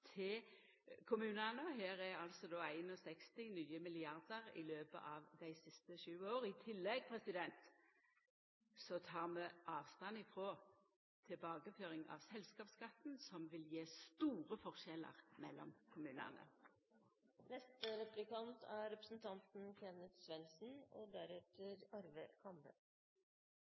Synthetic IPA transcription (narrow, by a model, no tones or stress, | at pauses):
t̪ʰɪl | kʰʊmʉːnənəɦeːʁæɾɑlsɔd̪oːæɪnɔsɛkst̪ɪnyːəmɪlɪɑʁd̪əʁɪ̰løːbə̰ʔɑʋd̪æɪsɪst̪əʃʉːoːʁɪt̪ʰɪlːɛɡ̚pʰʁɛsɪd̪ɛnt̪ | sɔt̪ʰɑːʁmɛʔɑːʋst̪ɑnɪfɾoː | t̪ʰɪbɑːɡəføːʁɪŋɑ̰ʋsɛlskɑːpskɑt̪n̩sɔmʋɪljeːst̪uːʁəfɔʁʃɛlə̰ʁmɛlːɔ̰mkʰʊmʉːnə̰nə̰ | nɛst̪əɾɛplɪkɑnt̪ʰæɾɛpɾəsn̩t̪ʰɑnt̪n̩kʰɛnət̪sʋɛnsn̩ɔ̰d̪æɾɛt̪əɾɑɾʋəkʰɑmbə̰